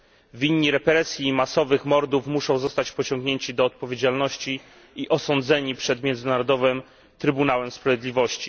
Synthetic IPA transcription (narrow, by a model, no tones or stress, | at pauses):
vʲiɲːiɾɛpɛɾɛsʲjimasɔvɘxmɔɾd̪ufmuʂɔ̃w̃zɔst̪at͡ɕpɔt͡ɕɔ̃ŋɡɲeɲt͡ɕid̪ɔːt̪̚pɔvʲjed͡ʑalnɔɕt͡ɕi | iʔɔsɔnd̪zɛɲipʂɛd̪mʲjɛnd̪zɘnaɾɔd̪ɔvɘm | t̪ɾɘbunawɛmspɾavʲjed̪lʲivɔɕt͡ɕi̥